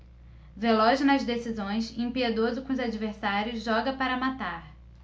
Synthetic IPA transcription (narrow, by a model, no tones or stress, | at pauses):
velɔʒɪnɐzd̪esizõj̃sĩpied̪ozʊkõʊzad͡ʒiveɾsaɾjʊzʒɔɡɐpaɾɐmat̪aɾ